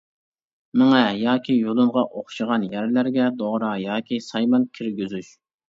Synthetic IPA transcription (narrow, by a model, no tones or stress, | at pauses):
mɪŋɛjɑːkʲʰijolˠɨmʁɑʔoχʃɨʁɑnjæɾlæɾɡʲɛd̪oʁɾɑjɑːkʲʰisɑjmɑnkʲʰiɾɡʲyzyʃ